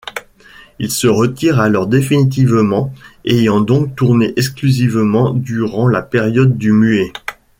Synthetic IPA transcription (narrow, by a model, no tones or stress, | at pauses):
ilsəʁət̪iʁalɔʁd̪efinit̪̬ivmɑ̃ejɑ̃d̪ɔ̃k̚t̪uʁneʔɛksklyzivmɑ̃d̪yʁɑ̃lapeʁjɔd̪ːymye